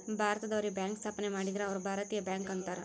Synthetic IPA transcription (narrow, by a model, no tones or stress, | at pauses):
bʱaːɾt̪d̪aːɾibɛ̃ːŋksɐpnemaɽid̪ɾaɔɾbʱaːɾət̪ijəbɛŋkənt̪əɾ